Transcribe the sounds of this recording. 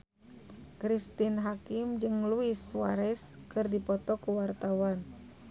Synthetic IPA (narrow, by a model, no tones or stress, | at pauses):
kɾist̪inɦakimd͡ʒɨŋluiswaɾɛskɨrdipɔt̪ɔkuwart̪awan